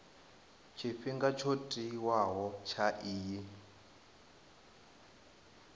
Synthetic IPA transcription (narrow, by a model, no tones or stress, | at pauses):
t͡ʃʰiɸiŋɡat͡ʃʰotʼiwaɦɔt͡ʃʰaʔiːji